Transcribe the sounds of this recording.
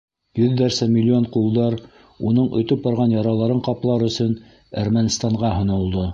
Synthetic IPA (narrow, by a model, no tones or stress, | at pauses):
jɵðːæɾsæmʲilʲːioɴqulˠd̪ɑɾ | unɤɴɵ̆t̪ɵp̚bɑɾʁɑnjɑɾɑlˠɑɾɤɴqɑplˠɑɾɵ̆sɵn | æɾmænist̪ɑɴʁɑɦŏnɤ̆lˠd̪ɤ